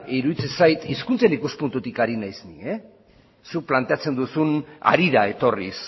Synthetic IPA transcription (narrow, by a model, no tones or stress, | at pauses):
iɾuðit͡se̞nsajt̪iskunt͡senikuspunt̪ut̪ikaɾinajznie | suk̚plant̪e̞at͡se̞nd̪usuna̰ɾiðae̞t̪o̞ris